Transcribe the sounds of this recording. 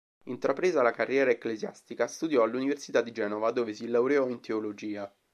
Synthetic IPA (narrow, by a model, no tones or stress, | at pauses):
int̪ɾapɾeːzalakarːjɛːɾaekːlezja̰st̪ikast̪ud̪jɔalːuniversit̪ad̪ːid͡ʒɛːnovad̪oːvesilawɾeɔint̪ʰeolod͡ʒiːa